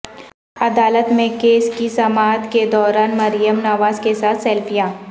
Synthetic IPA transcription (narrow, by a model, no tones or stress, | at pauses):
ɐd̪aːlət̪mẽkeːskisɐmaːd̪ked̪ɔːɾaːnmɐɾijəmnɐʋaːzkesaːt̪ʰsɛːlfijaː